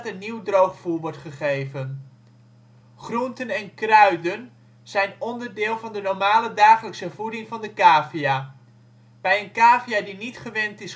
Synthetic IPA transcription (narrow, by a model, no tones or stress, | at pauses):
tənːiwdrowχfulˠʋɔɹtχəχejvən | χruntənɛnkrœɥdən | z̥ɛjnɔndərdɪːlˠvɑndənɔɹmaːlədaːχələksəv̥udɪŋvɑndəkaːvia | b̥ɛjənkaːviadinitχəʋɛntɪs